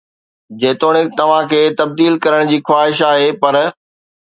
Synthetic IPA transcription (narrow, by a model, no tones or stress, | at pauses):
d͡ʑeːt̪oːɽ̃ɪt̪ɐʋ̤ãkʰeːt̪ɐb̚d̪iːlkɐɾəɽ̃d͡ʑiːxwaːɦɪʃaːɦeːpɐɾ